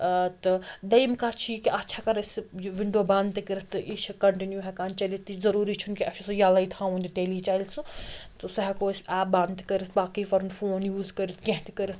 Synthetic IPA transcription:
t̪ɨd̪ɐjmkaːt͡ʃʰikiʔɐtːʃʰakɐɾɐsʋiɳɖoːbãːnd̪t̪ikəɾɐt̪ʔit͡ʃʰkɐɳʈinjuɦɛkaːnt͡ʃɐlit̪izɐɾuːɾit͡ʃʰunkiɐt͡ʃʰusɐ̃jalɐit̪ʰãːũnd̪ʈeːlit͡ʃaːilsut̪usɐɦɛkoːsʲɛːp̚bãːnt̪kəɾit̪ʰbaːkipɐɾnfʰoːnjuːzkɐɾit̪ʰkẽɦt̪ikəɾit̪

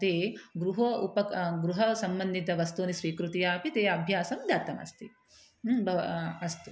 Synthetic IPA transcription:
ɐt̪eːɡɾuɦɐupɐkɡɾuɦɐsɐmbɐnd̪ʱit̪ɐʋɐst̪oːnisɾiːkɾut̪ijaːpit̪eːɐbʱjaːsɐmd̪aːt̪ːɐmɐ̰st̪i | bɐʋɐst̪u

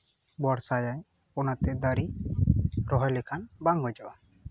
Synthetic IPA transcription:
bɔɽsajaj | pɔnat̪ɛd̪aɾi | ɾɔɦɔjlɛkʰanbaŋɦɔd͡ʒɔʔa

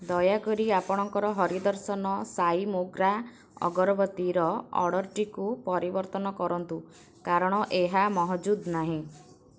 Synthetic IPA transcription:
d̪ɔjakɔɾiapɔɽ̃ɔŋkɔɾɔɦɔɾid̪ɔɾsɔnɔsajmoɡɾa | ɔ̰ɡɔɾɔbɔt̪iɾɔɔ̰ɽɔɾʈikupɔɾibɔɾt̪ɔnɔkɔɾɔnt̪u | kaɾɔɽ̃ɔʔeɦamɔɦɔd͡ʒud̪naɦĩ

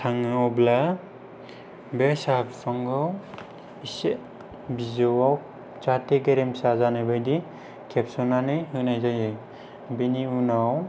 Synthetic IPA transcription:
tʰaŋawbla | besapsɔŋɡɯw | ise | bizɔwaw | t͡ʃateɡeɾemsazanɯjbajdi | kʰepsɔnanɯjɦɯnajzajɯj | biniunaw

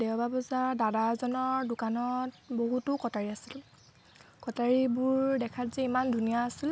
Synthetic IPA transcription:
dɛwbʱabɔzadadazɔnɔɹdʊkanɔt | boɦutʊkɔtaɹiasil | kɔtaɹibʊɹdɛkʰatzɛimandʱunijaːsil

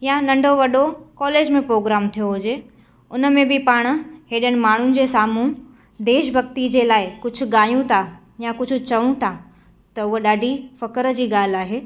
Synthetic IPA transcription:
janɐ̃ɳɖʱoʋɐɗokɔːleːd͡ʑmẽpɾoːɡɾaːmt̪ʰijoɦʊd͡ʑeː | ʊnə̆mẽbɪpaːɽ̃ʊ̆ɦeːɗəñɪ̆maːɳ̤ʊnɪ̆d͡ʑeːsaːmũ | d̪eːʃbʱɐɡ̚t̪id͡ʑeːlaːɪkʊd͡ʑʱʊ̆ɠaːjũt̪ʰa | jakʊd͡ʑʱʊ̆t͡ɕɐʋũt̪ʰa | t̪ɐʊɦoɗaːɖʱifɐkəɾd͡ʑiːɠaːl̤aːɦeː

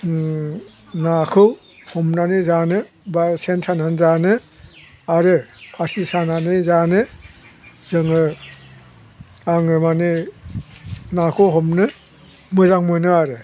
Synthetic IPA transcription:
nakʰɯw | hɔmnanizanɯ | basensananzanɯ | aɾɯpʰasisananizanɯ | zɯŋɯ | aŋɯmani | nakʰɯwɦɔmnɯ | mɯzaŋmɔjnɯaɾɯ

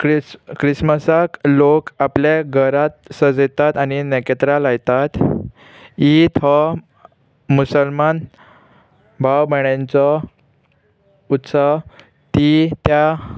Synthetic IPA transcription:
kɾisməsaklokapljeɡʱəɾat̪̚səd͡zet̪at̪anineket̪ɾalajt̪at̪ | it̪ɦɔ | musəlman | bʱawbəɽjãnt͡sɔ | ut̪sa | t̪it̪ja

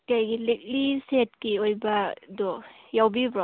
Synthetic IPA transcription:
kajɡilik̚liset̚kiojbadɔ | jawbibɾɔ

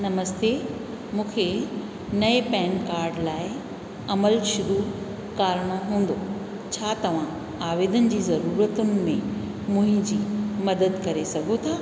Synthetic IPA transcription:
nɐməst̪eː | mũːkʰe | nɐepɛ̃ːnkaːɾɖlaːɪ | ɐməlʃʊɾu | kaːɾɽ̃oɦũːn̆d̪o | t͡ɕʰaːt̪ɐʋ̤ã | aːʋeːd̪ənɪ̆d͡ʑiːzɐɾuːɾət̪ʊnɪ̆mẽ | mʊ̃ɦɪ̃d͡ʑiːmɐd̪əd̪kɐɾesɐɡʱot̪ʰaː

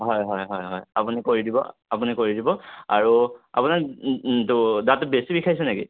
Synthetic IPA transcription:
ɦɔjɦɔjɦɔjɦɔjapunikoɹidibɔ̰apunikoɹidibɔaɹua̰punaktʊdatːʊbesibikʰajsɛnekḭ

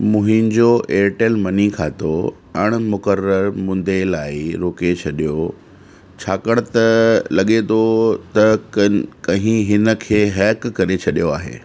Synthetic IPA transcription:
mʊ̃ɦɪ̃nd͡ʑoʔeːɾʈelmɐnikʰaːt̪o | ɐɽ̃mʊkəɾəɾmʊ̃n̆d̪elaːɪɾoːket͡ɕʰɐɗijo | t͡ɕʰaːkəɽ̃t̪ɐlɐɠet̪ʰot̪ɐ | kɐ̃ɦĩɦɪnə̆kʰeːɦɛːkːɐɾet͡ɕʰɐɗijoa̰ːɦḛː

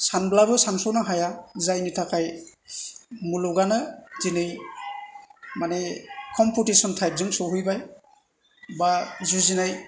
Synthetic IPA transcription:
sanblabɯsansɔwnaɦajazajnitʰakaj | muluɡanɯzinɯj | manekʰɔmputisɔntʰajp̚zɯŋsɔɦujbaj | bazuzinaj

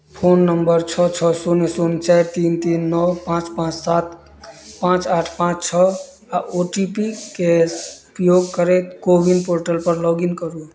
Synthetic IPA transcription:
pʰonːəmbəɾt͡ʃʰɔt͡ʃʰɔsunesunt͡ʃajɾt̪int̪inːɔwpãt͡ʃpãt͡ʃsat̪ | pãt͡ʃaʈʰpãt͡ʃt͡ʃʰɔ | aʔoʈipikeupjoɡkəɾɛt̪kobʱinpoɾʈəlpəɾlɔɡinkəɾu

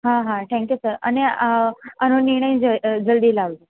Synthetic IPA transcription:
ɦãɦãʈʰɛ̃ŋkjusəɾa̰ni | ənoniɾɳ̃əj̃d͡zəd͡zəld̪iːlaʋli

